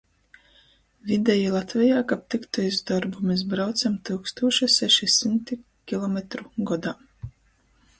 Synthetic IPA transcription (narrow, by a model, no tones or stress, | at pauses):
vʲid̪ɛjilˠat̪vʲɛjaːkap̚t̪ikt̪ɔizd̪ɔɾbumes̬bɾawt̪samt̪ɨkst̪uɔʃɛsɛʃisimt̪i | kʲilˠɔmʲet̪ɾuɡɔd̪aː